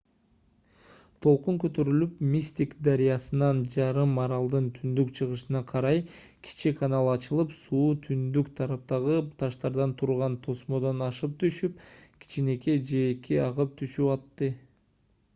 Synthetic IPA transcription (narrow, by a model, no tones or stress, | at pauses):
t̪ʰo̞lˠquŋkø̞t̪ø̞ɾylypmʲisʲt̪ʲikd̪aɾijɑsɯnɑnd͡ʒɑɾɯmːɑɾɑlˠd̪ɯnt̪ʰynd̪ykt͡ʃʰɯʁɯʃɯnɑqʰɑɾɑj | kʲʰi̥t͡ʃikʰanɑlˠɑt͡ʃɯlˠɯpsuːt̪ʰynd̪ykt̪ʰɑɾɑp̚t̪ɑʁɯt̪ʰɑʃt̪ɑɾd̪ɑnt̪ʰuɾʁɑnt̪ʰo̞smo̞d̪onɑʃɯp̚t̪ʰyʃyp̚kʲʰi̥t͡ʃine̞ke̞d͡ʒe̞ːkiɑʁɯp̚t̪ʰyʃypɑt̪ːɯ